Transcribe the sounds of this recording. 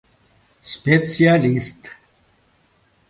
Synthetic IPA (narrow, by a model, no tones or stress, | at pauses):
spet͡sialist̪